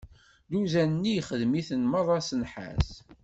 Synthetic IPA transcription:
d̪uzænənːijχəðmiθənməɾˤɑsənħa̰θ

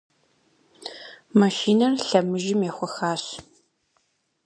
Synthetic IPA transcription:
mɐʃiːnɐrɬɐmɨʒɪmjɛxʷɔxaːɕ

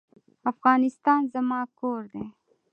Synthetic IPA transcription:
afɣɑːnɪst̪ɑːnzamɑːkoːɾd̪e

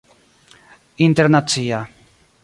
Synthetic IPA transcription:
int̪eɾnat͡sia

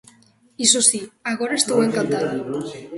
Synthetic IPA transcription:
isosiaɣɔɾaest̪oweŋkant̪að

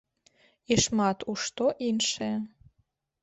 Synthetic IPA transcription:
iʃmɑt̪uʃt̪oʔinʃe

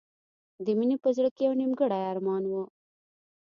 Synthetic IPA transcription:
d̪iminipəzɽkeawnimɡəɽajaːɾmɑːnwo

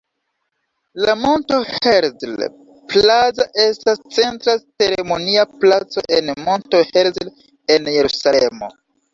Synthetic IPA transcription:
lamo̞nto̞heɾzl | plazaʔe̞stast͡se̞ntɾat͡se̞ɾe̞mo̞niaplat͡so̞̰ʔenmo̞ntoheɾzl | e̞nje̞ɾusalemo̞̰

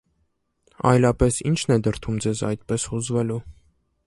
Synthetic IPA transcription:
ɑ̰jlɑpɛsint͡ʃʰnɛd̪əɾt̪ʰumd͡zɛzɑ̰jt̪pɛshuzvɛlu

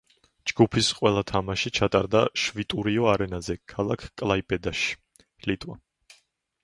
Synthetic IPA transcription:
d͡ʒɡupʰisqʼwɛlˠat̪ʰamaʃit͡ʃʰat̪ʼaɾd̪aʃvit̪ʼuɾiɔaɾɛnazɛkʰalˠakʰkʼlˠaipʼɛd̪aʃi̥ | lit̪ʼwa̰

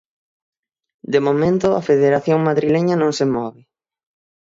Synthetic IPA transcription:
d̪emomẽnt̪ʊafeðeɾaθjoŋmaðɾileɲɐnõŋsemɔβɪ

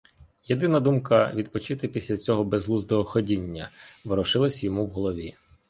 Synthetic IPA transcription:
jed̪ɪnɐd̪umkɐʋʲid̪pɔt͡ʃɪt̪ɪpʲisʲlʲɐt͡sʲɔɦɔbezlˠuzd̪ɔɦɔxɔdʲinʲːɐ̰ʋɾɔʃɪlˠɐsʲjɔmuwɦɔlˠɔʋʲi

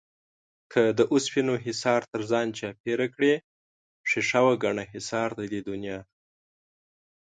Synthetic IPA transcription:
kʰəd̪əʔʊspinoɦɪsɑɾt̪əɾzɑnt͡ʃɑpeɾakɽe | pʂeʂawaɡaɳaɦɪsɑɾd̪ad̪ed̪ʊnjɑ

